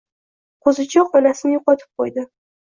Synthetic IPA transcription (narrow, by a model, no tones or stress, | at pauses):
qʰozɪt͡ʃʰɒqɒnasɪnɪjʊqɒt̪ʰɪ̥p̚qʰojd̪ɪ